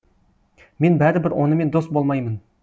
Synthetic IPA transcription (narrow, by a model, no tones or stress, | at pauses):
me̞nbæɾɪbɪɾwo̞̰nəme̞nd̪o̞st̪bo̞lˠmɑjmən